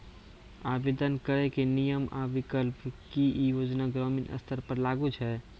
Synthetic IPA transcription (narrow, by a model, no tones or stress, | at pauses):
abed̪ənkəɾɛkenijəma̰ʋikəlpkijod͡ʒnaɡɾɔminə̰st̪ʰəɾpəɾlaɡut͡ʃʰɛ